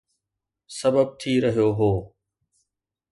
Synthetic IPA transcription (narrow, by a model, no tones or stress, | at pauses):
səbəb̚t̪ʰiːɾəɦijoɦoː